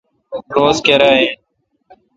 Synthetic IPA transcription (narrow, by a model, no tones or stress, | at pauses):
ɾoːzkeɾaːɦẽː